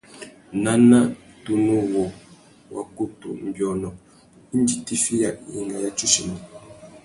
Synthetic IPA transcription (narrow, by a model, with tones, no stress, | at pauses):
na˦na˦tu˨nu˦wɔ˨ | wʔa̰˨ku˦tṵ˨m̩˨bjɔ˨nɔ˨ | i˦n˦d͡ʒi˨ti˦fi˦ja˨i˦ŋɡa˦ja˦t͡ʃu˦ʃi˨ni˨